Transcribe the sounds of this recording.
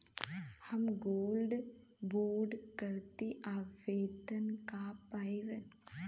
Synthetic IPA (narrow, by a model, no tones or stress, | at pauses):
hɐmɡoːlɖ | boːɾɖkəɾt̪iʔaːʋeːd̪ənkapaːiʋe